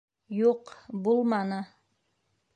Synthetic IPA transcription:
juqbulˠmɑnɤ

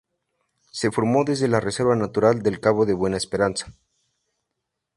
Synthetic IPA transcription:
se̞fo̞ɾmo̞ðe̞zðe̞larese̞ɾβanat̪uɾald̪e̞lkaβo̞ðeβwe̞naespeɾansḁ

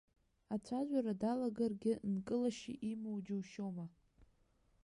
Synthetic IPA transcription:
at͡ʃʷʰaʒʷaɾadalaɡarɡʲɪnkʼɨlaʃḭʔimowd͡ʒɪwʃoma

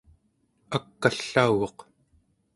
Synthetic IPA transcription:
akːaɬːauɣoq

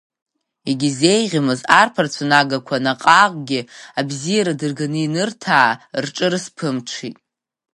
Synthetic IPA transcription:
iɡʲizejʁʲamɨzarpʰart͡sʷʰanaɡakʷʰanaqʼaqʼɡʲɪabzijaɾadɨrɡanɨinɨrtʰaːrʈ͡ʂʼɨrspʰɨmʈ͡ʂʰitʼ

